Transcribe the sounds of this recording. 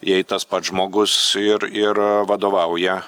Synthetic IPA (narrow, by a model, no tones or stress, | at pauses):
jɛɪt̪ɐspɐt̪ʒmoːɡʊsɪɾɪɾʋɐd̪oːʋɐʊjɛ